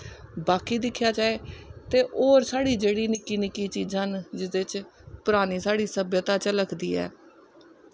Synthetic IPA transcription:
baːkiːd̪ɪkʰːjaːt͡ʃaːeːt̪eːʔoːɾsaːɽiːd͡ʒeːɽiːnɪkiːnɪkiːt͡ʃiːd͡ʒãːnd͡ʒɪd̪et͡ʃpʊɾaːniːsaːɽiːsəbjət̪aːt͡ʃələkʰd̪ḭːɛ̰ː

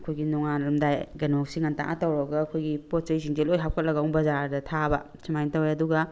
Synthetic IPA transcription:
ɐkʰojɡinɔŋanɾɐmdajɡɐnosiŋanta̰ŋʔa̰tawɾɔɡɐːkʰojɡipot̚t͡ʃɐjsiŋd͡ʒelojɦap̚kʰɐt̚lɐɡaɔŋbɐzaɾdɐtʰabɐ̰ | sʰimajntɐwɾeɐduɡɐ

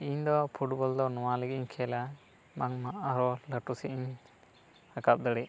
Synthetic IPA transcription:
iɲd̪ɔpʰuʈbɔld̪ɔnɔwalɛɡiɲkʰɛla | maŋmaʔaɾɔləʈusiʔiɲ | akap̚d̪əɽi

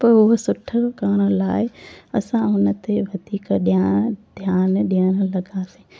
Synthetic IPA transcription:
pɐɾʊɦəsʊʈʰəkaːɽ̃əlaːɪɐsãʊnə̆t̪eʋɐd̪ʱiːkɗjaːd̪ʱjaːnɗiəɽ̃əlɐɡasĩː

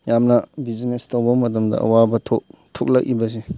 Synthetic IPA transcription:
jamnɐbizinestowbɐmɐt̬ɐmdɐ̰ɐ̰wabɐtʰoktʰok̚lɐk̚ibɐs̬e

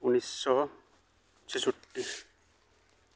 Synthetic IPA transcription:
unisːɔ | t͡ɕʰisuʈːi

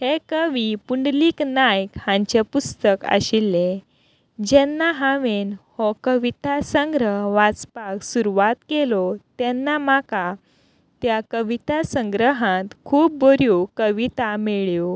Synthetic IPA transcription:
hekəʋipuɳɖliːknajkhãɲt͡ɕepust̪əkə̰ɕilːe | d͡ʑɛnːaɦãʋenhɔkəʋit̪asə̃ŋɡɾəɦʋat͡spaksuɾuʋat̪kelɔt̪jɛnːamaka | t̪jakəʋit̪asəŋɡɾəɦãt̪kʰuːp̚bəɾjokəʋit̪ameɭjo

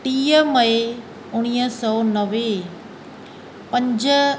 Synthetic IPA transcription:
ʈiːəmɐe | ʊɽ̃iːɦəsɔnəʋe | pɐ̃ɲd͡ʑə

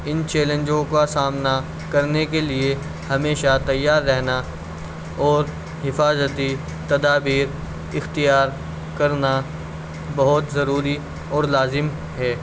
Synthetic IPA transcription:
ɪnt͡ʃɛːlẽnd͡ʒõkasaːmna | kɐɾnekelie | hɐmeːʃat̪ɐjːaːɾːɛɦna | ɔːɾ | ɦɪfaːzət̪i | t̪ɐd̪aːbiːɾ | ɪxt̪ijaːɾ | kɐɾna | bɐɦʊt̪zɐɾuːɾi | ɔːɾlaːzɪm | ɦɛː

